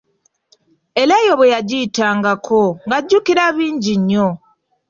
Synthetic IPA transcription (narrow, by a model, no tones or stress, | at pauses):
e̞laːjo̞βwejaɟiːtaːŋɡakʰoŋɡaɟːukiɾaβiːɲɟiɲːo